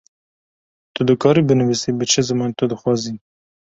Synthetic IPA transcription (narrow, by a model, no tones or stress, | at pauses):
t̪ud̪ɨkʰɑːɾibɨnɨvisibɨt͡ʃʰɨzɨmɑːnt̪ud̪ɨxwɑːzi